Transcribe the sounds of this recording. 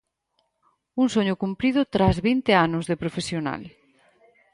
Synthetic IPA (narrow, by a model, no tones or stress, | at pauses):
uŋsoɲʊkumpɾiðʊt̪ɾazβint̪eanʊzðepɾofesjona̰l